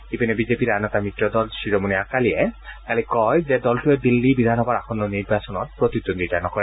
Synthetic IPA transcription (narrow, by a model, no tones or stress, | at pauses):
ipinebizepiɾanɔt̪amitɾɔd̪ɔlsiɾomuniakaliɛkalikɔjzed̪ɔlʈued̪ilːibid̪ʱanɔbaɾakʰɔnːɔniɾbasɔnɔtpɾot̪iond̪id͡ʒanɔkɔɾɛ